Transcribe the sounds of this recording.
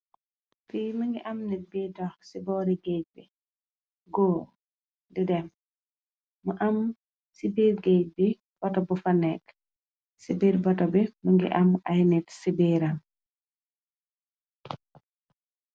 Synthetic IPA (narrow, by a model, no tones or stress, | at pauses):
fiməŋɡiʔɐmnit̚bitɔxsibɔɾiɡec̚bi | ɡɔ | didɛm | muʔɐm | sibiːrɡec̚bi | b̥ɔtɔbufɐnɛk | sibiːɾbɔtɔbiməŋɡḭʔɐmɐjnitsibiːɾɐm